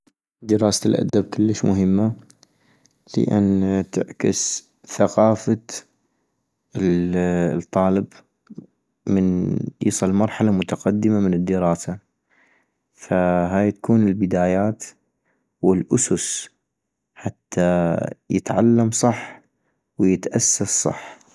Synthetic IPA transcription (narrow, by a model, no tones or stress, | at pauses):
d̪əɾˤɑːsalʔa̰d̪ab̚kɪlːəʃmʊɦɪmːa | lɪ̰ʔa̰nt̪ɪ̰ʕkɪs | θaqɑːfa | t̪ˤːɑːlɪb | mɪnjḭːsˤɨlmɑɾˤħalamʊt̪aqɑd̪ːɪmamɪnɪd̪ːɪɾɑːsa | faɦaːjt̪ḁkuːnɪlbɪd̪aːjaːt̪ | wɪlʔʊsʊs | ħat̪ʰːajɪt̪ʕalːamsˤɑħ | wjɪt̪ʔasːasˤsˤɑ̰ħ